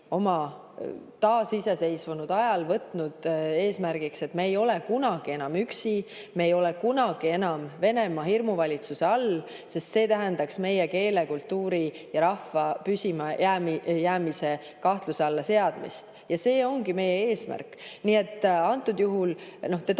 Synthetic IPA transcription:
o̞mɑ | t̪ɑːsise̞se̞jsvunud̪̥ɑjɑlvɤt̪ːˑnud̪̥e̞ːsmæɾɡ̥ikse̞t̪meːjo̞le̞kunɑɡ̥ie̞nɑmyksi | meejo̞lekunɑɡ̥ie̞nɑmve̞ne̞mɑɦirmuvɑlʲit̪suse̞ɑlː | se̞st̪se̞ːt̪æɦend̪̥ɑksme̞jeke̞ːlekult̪ːuːɾi | jɑɾɑfɑpysʲimɑjæːmijæːmise̞ | kɑht̪luseɑlːɑse̞ɑd̪̥mḭst̪ | jɑse̞ːo̞ŋɡime̞jee̞ːsmæ̰rkːniːe̞t̪ːɑnt̪ːˑud̪̥juɦulno̞ht̪et̪

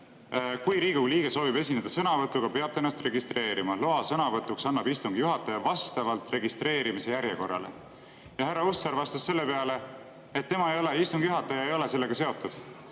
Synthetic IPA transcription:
kujɾiːɡuliːɡ̥eso̞ːvibe̞sʲined̪̥ɑsɤnɑvɤt̪ːˑuɡ̥ɑpe̞ɑb̥̚t̪e̞nːɑst̪re̞ɡist̪re̞ːɾimɑlo̞ɑsɤnɑvɤt̪ːˑuksɑnːɑbist̪uŋɡ̥ijuɦɑt̪ːˑɑjɑvɑst̪ɑvɑlt̪ˑre̞ɡist̪ɾe̞ːɾimise̞jæɾjeko̞rːɑ̰le̞̰ | jɑɦæɾɑusːɑɾvɑst̪ɑsse̞lːe̞pe̞ɑle̞ | et̪ːe̞mɑe̞jo̞le̞ist̪uŋɡ̥ijuɦɑt̪ːˑɑjɑejo̞lese̞lːe̞ɡ̥ɑse̞o̞t̪ːud̪̥

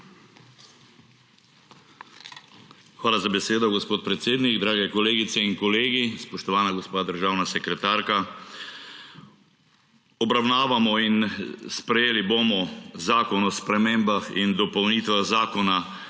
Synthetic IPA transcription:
xʋaːlazabɛseːd̪ɔɡospoːt̪̚pɾɛt̪seːd̪niɡd̪ɾaːɡɛkɔleːɡit̪sɛiŋkɔleːɡispɔʃt̪ɔʋaːnaɡospaːd̪əɾʒaːwnasɛkɾɛt̪aːɾka | ɔbɾawnaːʋamɔinspɾɛjeːlibomɔzaːkɔnɔspɾɛmeːmbaxḭnd̪ɔpɔwniːt̪ʋaɣzaːkɔna

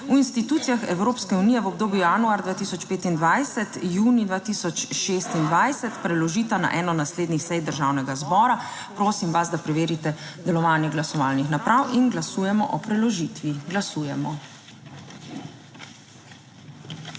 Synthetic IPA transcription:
uinst̪it̪uːt̪sijaxɛwɾoːpskɛunijɛʋɔb̚d̪oːbjujaːnuaɾd̪ʋaːt̪isɔt͡ʃpeːt̪ind̪ʋajsɛt̪juːnid̪ʋaːt̪isɔt͡ʃʃeːst̪ind̪ʋajsɛt̪pɾɛlɔʒiːt̪ana̰ʔɛːnɔnasleːd̪nixsɛjd̪əɾʒaːwnɛɡazbɔːɾa | pɾoːsimʋazd̪apɾɛʋeːɾit̪ɛd̪ɛlɔʋaːnjɛɡlasɔʋaːlnixnapɾawinɡlasuːjɛmɔʔɔpɾɛlɔʒiːt̪ʋiɡlasuːjɛmɔ

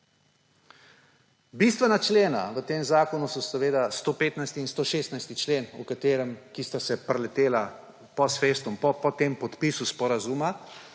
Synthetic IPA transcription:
bist̪ʋɛnat͡ʃleːna̰ʋət̪eːmzaːkɔnusɔsɛʋeːd̪ast̪oːpeːt̪najst̪iinst̪oʃeːst̪najst̪it͡ʃleːnṵkat̪eːɾɛmkist̪asɛpɾlɛt̪eːla | pɔsfeːst̪ɔmpɔpɔt̪empɔt̪pisuspɔɾazuːma

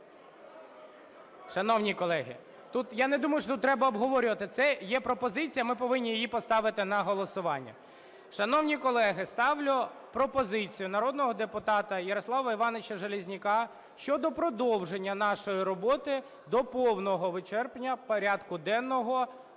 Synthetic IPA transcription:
ʃɐnɔwnʲikɔlˠɛɦɪ̰ | t̪ut̪janɛd̪umɐjʊʃt̪ut̪ːɾɛbɐːbɦɔʋɔɾʲʊʋɐt̪ɪt̪sɛjɛpɾɔpɔzɪt͡sʲijɐmɪpɔʋɪnʲːijijipɔst̪ɑʋɪt̪ɪnɐɦɔlˠɔsʊʋɑnʲːɐ̰ | ʃɐnɔwnʲikɔlˠɛɦɪst̪ɑʋlʲʊpɾɔpɔzɪt͡sʲijʊnɐɾɔd̪nɔɦɔd̪epʊt̪ɑt̪ɐjɐɾɔslˠɑʋɐiʋɑnet͡ʃʲɐʒelʲɪzʲnʲikɑ | ʃt͡ʃɔd̪ɔpɾɔd̪ɔwʒenʲːɐnɑʃɔjiɾɔbɔt̪ɪ | d̪ɔpɔwnɔɦɔʋɪt͡ʃɛrpnʲɐpɔɾʲɑd̪kʊd̪ɛnːɔɦɔ

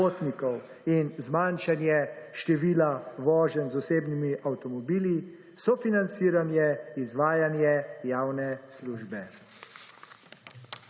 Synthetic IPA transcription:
oːt̪nikɔw | inzmanʃanjɛʃt̪ɛʋiːlaʋɔːʒənzɔseːbnimiʔawt̪ɔmɔbiːli | sɔfinant̪siːɾanjɛizʋaːjanjɛjaːwnɛsluːʒbɛ

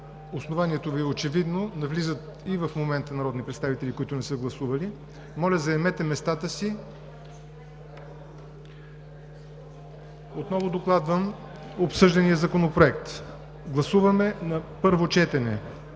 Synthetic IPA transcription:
osnovaniɛt̪oviɛot͡ʃɛvid̪nonɐvlizət̪ | ivəfmomɛnt̪ənɐɾɔd̪nipɾɛt̪st̪avit̪ɛlikʊit̪ʊnɛsɤɡlˠɐsuvɐli | mɔlʲɐzɐɛmɛt̪ɛmɛst̪at̪əsi | ot̪nɔvod̪oklˠad̪vəm | opsɤʒd̪ɐnijəzɐkonopɾoɛk̚t̪ | ɡlˠɐsuvəmɛnɐpɤɾvot͡ʃɛt̪ɛnɛ̰

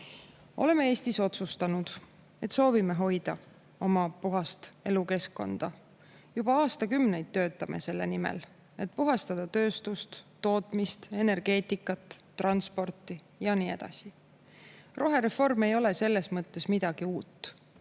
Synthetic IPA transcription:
o̞̰le̞mee̞ːsʲt̪iso̞t̪sust̪ɑnud̪̥ | e̞t̪so̞ːvime̞ɦo̞jd̪̥ɑ | o̞mɑpuɦɑst̪e̞luke̞skːo̞nd̪̥ɑ | jub̥ɑɑːst̪ɑkymne̞jd̪̥̚t̪ːø̞ːt̪ːˑɑme̞̰se̞lːe̞nimḛl | e̞t̪̚puɦɑst̪ɑd̪̥ɑt̪ø̞ːst̪ust̪ːo̞ːt̪ˑmist̪e̞ne̞rɡ̥e̞ːt̪ikːˑɑt̪ː | rɑnspo̞rt̪ːˑi | jɑniːe̞d̪̥ɑ̰si | rʔo̞ɦe̞ɾe̞fo̞rme̞jo̞le̞se̞lːe̞smɤt̪ːˑe̞smid̪̥ɑɡ̥iuːt̪ːˑ

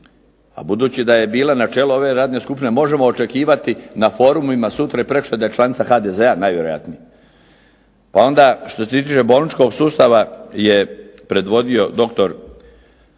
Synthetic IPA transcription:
a̰bud̪uːt͡ɕid̪aje̞biːlanat͡ʃe̞luo̞ʋe̞ɾaːd̪ne̞skupine̞mo̞ʒe̞mo̞ːt͡ʃe̞kiːʋat̪inafo̞ːɾumimasut̪ɾaipɾe̞ʃt̪od̪ajet͡ʃlˠanit̪saxaːd̪eze̞anaʋjeɾo̞ja̰t̪nija | pao̞nd̪aʃt̪oset̪t̪it͡ʃe̞bo̞lˠnit͡ʃko̞ɡsuːst̪aʋaje̞pɾe̞d̪ʋo̞d̪io̞d̪o̞kt̪o̞ɾ

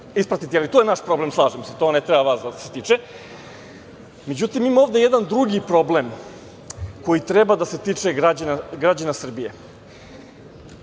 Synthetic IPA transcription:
ispɾat̪it̪ialit̪ojenaʃpɾo̞ble̞mslˠaːʒemset̪o̞net̪ɾebaʋaːsd̪aset̪iːt͡ʂe | med͡ʑut̪imimaoʋd̪ejed̪and̪ɾuɡipɾo̞blem | ko̞jit̪ɾebad̪ase̞t̪iːt͡ʂe̞ɡɾad͡ʑanaɡɾad͡ʑanasr̩bije̞

